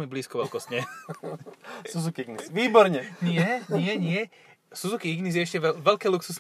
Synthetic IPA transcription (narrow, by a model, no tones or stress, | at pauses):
ɛmibliːskɔʋɛlkɔsɲɛ | suzukiiɡnisʋiːbɔɾɲɛɲɪɛɲɪɛɲɪɛ | suzukiiɡnis̬jɛɛʃcɛʋɛlkɛːluksus